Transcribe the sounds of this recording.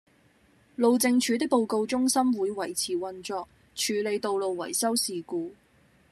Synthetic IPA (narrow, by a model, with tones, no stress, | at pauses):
lo˨wt͡sɪ˧ŋt͡ʃʰyː˨˧t̪̬ɪ˥k̚po˨wko˧wt͡sʊ˥ŋsɐ˥mwuː˨˧jwɐ˨˩jt͡sʰiː˨˩wɐ˧nt͡ʃɔː˧k̚ | t͡ʃʰyː˨˧le˨˧jt̪o˨˧wlo˨wwɐ̰˨˩jsɐ˥wsiː˨kuː˧